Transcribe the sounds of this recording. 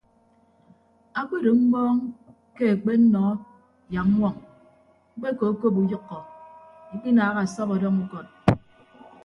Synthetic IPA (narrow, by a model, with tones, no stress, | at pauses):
a˦k͡pe˦ɾo˨ŋ͡m̩˦ɡ͡bɔː˦ŋ | ke˦e˨k͡pe˦n̩˦nɔ˨˦ | ja˨k̩˦ŋʷwɔ˦˨ŋ | ŋ͡m̩˦k͡pe˦ko˨o˦ko˦p̬u˨jɔ˦kːɔ˨ŋ̩˦k͡pi˦naː˨˦ɣa˨sɔ˦kɔ˨dɔ˦ŋu˦kɔ˨t̚